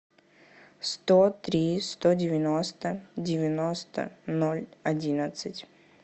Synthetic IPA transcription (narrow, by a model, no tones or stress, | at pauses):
st̪ot̪ɾʲist̪odʲɪvʲɪnost̪ədʲɪvʲɪnost̪ə̰nolʲɐdʲinət̪sɨtʲ